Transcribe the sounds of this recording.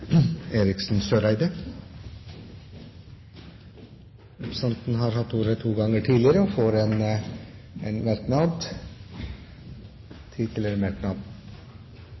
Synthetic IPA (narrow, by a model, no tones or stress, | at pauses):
eːɾɪksn̩søːɾæɪd̪ə | ɾɛpɾəsɑnt̪n̩ɦɑɾhɑt̪ːuːɾət̪ʰuːɡɑŋəʈʰiːd̪lɪəɾəɔfoːɾɛn | ɛnmæɾknɑd̪ | t̪ʰiːt̪ʰɪlɛmæɾknɑd̪